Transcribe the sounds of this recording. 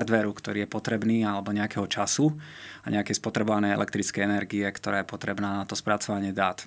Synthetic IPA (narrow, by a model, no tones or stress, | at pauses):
ɾd̪ʋɛɾukt̪ɔɾiːjɛpɔt̪ɾɛbniːalɛbɔɲɛakɛɦɔt͡ʃasuaɲɛakɛjspɔt̪ɾɛbɔʋanɛjɛ̰lʔɛkt̪ɾit͡skɛjɛnɛɾɡiɛkt̪ɔɾaːjɛpɔt̪ɾɛbnaːnat̪ɔspɾat͡sɔʋaɲɪɛd̪aːt̪